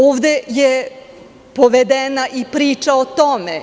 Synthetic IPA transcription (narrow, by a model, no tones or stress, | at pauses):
oːʋd̪eje | poʋed̪enaʔipɾiːt͡ʃaot̪ome